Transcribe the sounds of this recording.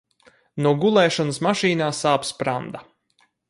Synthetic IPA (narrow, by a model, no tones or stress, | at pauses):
nuɔɡulˠɛːʃɔnəsmaʃiːnaːsaːpspɾand̪a